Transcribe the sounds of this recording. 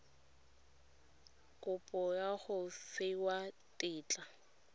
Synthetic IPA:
kʼʊpʼɔjaχʊfɪwa | tʼɪːt͡ɬʼa

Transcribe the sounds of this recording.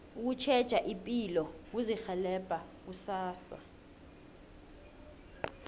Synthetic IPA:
uk̬ut͡ʃʰɛd̥ʒ̥ʱaʔimpʼilɔk̬uzixɛlɛb̥ʼʱak̬usaːsa̰

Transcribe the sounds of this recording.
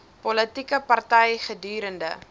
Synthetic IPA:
pɔlətikəpɐrtɛjχədyːɾəndə̰

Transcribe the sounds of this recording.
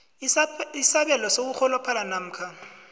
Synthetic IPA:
isaɓɛlɔsok̬uk͡xʰɔlɔpʰalanam̩kʰa

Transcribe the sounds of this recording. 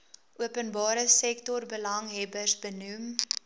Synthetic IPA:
ʔuəpənbɑːɾəsɛktɔrbəlɐŋɦɛbərsbənum

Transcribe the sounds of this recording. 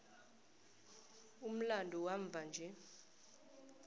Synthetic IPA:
um̩landʱɔwaɱb̪vʱand͡ʒʱɛ

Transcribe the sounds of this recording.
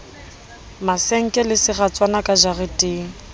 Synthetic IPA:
maseŋ̩kʼɪlɪsɪχat͡sʼwanakʼad͡ʒarɪtʼeːŋ̩

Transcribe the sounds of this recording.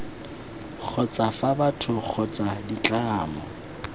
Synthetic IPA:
k͡xʰɔt͡sʼafabatʰʊk͡xʰɔt͡sʼadit͡ɬʼaːmɔ

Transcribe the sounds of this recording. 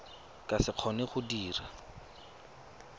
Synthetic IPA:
kʼasɪq͡χʰɔneχʊdiːra

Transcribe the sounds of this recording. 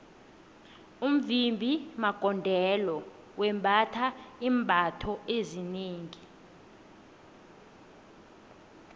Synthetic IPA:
um̩vimbʱimaɡ̥ʱɔndʱɛlɔ | wɛmbʱatʰaiːmbʱatʰɔezineːŋi

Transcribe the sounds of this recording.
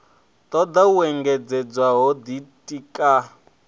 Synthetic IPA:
t̪ʼɔd̪auɛŋɡɛd͡zɛd͡zwaɦɔd̪itʼikʼa

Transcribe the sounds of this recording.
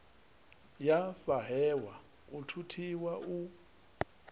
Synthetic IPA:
jafaɦɛwa | utʰutʰiwaʔu

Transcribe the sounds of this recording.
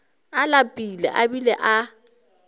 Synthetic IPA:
alapʼilɛ̰ʔabilɛ̰ʔa

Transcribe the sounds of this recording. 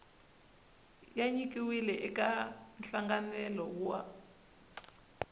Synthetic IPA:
jaɲikʼiwilɛʔɛkanɬaŋɡanɛlɔkua̰

